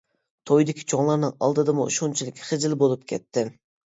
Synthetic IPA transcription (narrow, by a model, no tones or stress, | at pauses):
t̪ʰojd̪ɪkʲʰi̥t͡ʃʰoŋlˠɑɾnɨŋɑ̰lˠd̪ɨd̪ɨmṵʃont͡ʃʰilˠɪkʲχɨzɪlbolˠup̚kʲʰɛ̰t̪ʰːɪ